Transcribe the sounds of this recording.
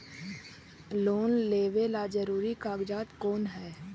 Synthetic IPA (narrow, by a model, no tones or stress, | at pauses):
loːnleːʋelad͡ʒəɾuːɾikaːɡd͡ʒaːt̪koːnɦɛː